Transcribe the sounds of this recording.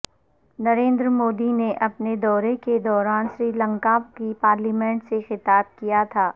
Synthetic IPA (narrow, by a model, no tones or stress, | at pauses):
nɐɾẽːnd̪ɾəmoːd̪ineʔɐpned̪ɔːɾeked̪ɔːɾaːnsɾiːlɐ̃ŋkaːkipaːɾliːmɛ̃ːɳʈsexɪt̪aːb̚kijat̪ʰaː